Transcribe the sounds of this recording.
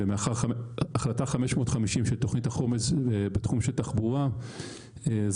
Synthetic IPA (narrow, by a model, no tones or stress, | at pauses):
emeaχaʁaaχlataχameʃmo̞tχamiʃimʃelto̞χnithaχo̞mezebetχumʃeltaχbuʁa | ez